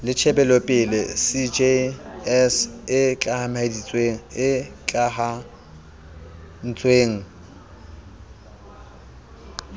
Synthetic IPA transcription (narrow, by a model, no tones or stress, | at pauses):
lɪt͡ʃʰɛbɛlɔpʼɪlɪsid͡ʒeɛsɪt͡ɬʼahamedit͡sʼweːŋ̩ɪt͡ɬʼaɦa | n̩t͡sʼweːŋ̩